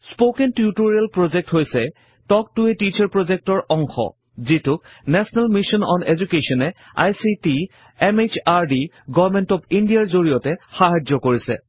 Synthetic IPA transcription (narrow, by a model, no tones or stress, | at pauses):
spokentutuɹialpɹozɛk̚tɦojsɛ | tɔk̚tuetit͡ʃaɹpɹɔzɛk̚tɔɹɔŋxɔ̰ | zitʊk̚nɛsɔnalmiʃɔnɔnezukesɔnɛ | a̰jsiti | ɛmet͡ʃaɹdi | ɡɔvmɛntɔbindijaɹzoɹijɔtɛxaɦad͡ʒɔkoɹisɛ̰